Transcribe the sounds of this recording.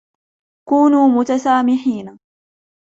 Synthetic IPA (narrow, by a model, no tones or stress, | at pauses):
kuːnuːmʊt̪asaːmɪħiːna